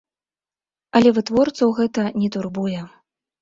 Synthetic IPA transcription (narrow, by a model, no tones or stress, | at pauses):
ɐlʲɛvɨt̪vɔrt̪sɐwɣɛt̪ɐnʲɛt̪urbujɛ